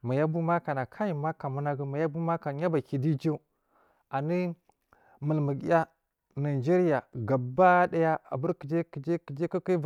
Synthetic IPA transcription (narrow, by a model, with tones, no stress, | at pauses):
ma˨ja˦bu˦ma˦ka˨na˨kʰa˦ji˨ma˦ka˨mu˦na˦ɡi˦ma˨ja˦bu˦ma˦ka˨ɲa˦ba˨ki˨di˦d͡ʒe˦ | a˨ni˦ | mə˨lmə˨ɡja˦ | na˨i˨d͡ʒe˦ɾi˦ja˨ɡa˨ba˦da˦ja˦a̰˨bu˦ɾki˨d͡ʒe˦ki˨d͡ʒe˦ki˨d͡ʒe˦ki˦ki˦